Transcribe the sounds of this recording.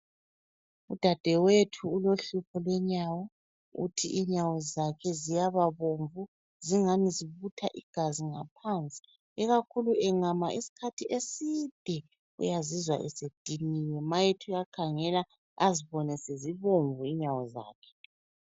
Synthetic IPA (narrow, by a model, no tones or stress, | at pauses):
ud̥ʱad̥ʱɛwetʰuːloɬupʰɔlwɛɲawɔ | ṵtʰḭʔiɲawɔzakʰɛzijaβaβoɱvu | ziŋamiziβutʰaʔiɡ̥ʱaziŋapʰant͡sʼi̥ | ɛɣakʰuluʔɛŋamaʔisi̥kʰatʰiʔesid̥ʱɛ | ṵjazizwa̰ʔɛ̰sed̥ʱinijɛmajetʰujakʰaŋɛla | aziβɔnɛseziβoɱvuiɲawɔza̰ːkʰɛ̥